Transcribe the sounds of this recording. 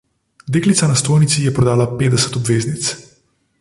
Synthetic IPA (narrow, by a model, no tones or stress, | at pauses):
d̪eːklit̪sanast̪oːjnit̪sijɛpɾɔd̪aːlapeːd̪ɛsə̥t̪ɔbʋeːznit̪s